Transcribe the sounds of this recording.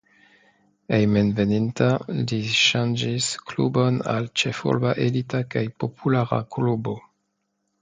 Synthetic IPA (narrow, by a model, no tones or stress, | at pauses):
ejmenvenintaliʃand͡ʒisklṵbo̞na̰lt͡ʃefṵlbaʔelitakajpo̞pʰulaɾa̰klubo̞